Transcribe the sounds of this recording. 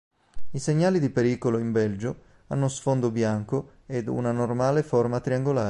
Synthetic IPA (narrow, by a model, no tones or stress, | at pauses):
iseɲːaːlid̪ipeɾiːkoloimbɛld͡ʒo | anːosfond̪objaŋko | ed̪ṵnanormaːleformat̪ɾiaŋɡolaː